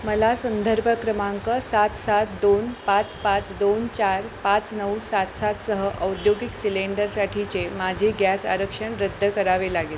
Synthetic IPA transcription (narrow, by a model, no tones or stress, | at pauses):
məlasənd̪ʱəɾbʱəkɾəmaŋkəsat̪sat̪̚d̪onpat͡spat͡sd̪ont͡ɕaɾpat͡snəwsat̪sat̪səɦəʔəwd̪joɡiksileɳɖəɾsaʈʰit͡ɕemad͡ʑʱeɡjasa̰ɾəkʂəɳɾəd̪ʱːəkəɾaʋelaɡel